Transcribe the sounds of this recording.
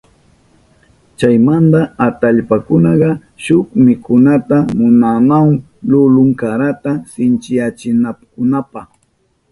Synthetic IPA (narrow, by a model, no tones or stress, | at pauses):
t͡ʃajmand̪aat̪aʎpakʊnɑɢɑ | ʃʊkmɪkʊnat̪amʊnanaw | lʊlʊŋkaɾat̪asɪnt͡ʃɪjat͡ʃɪnapkʊnapɑχ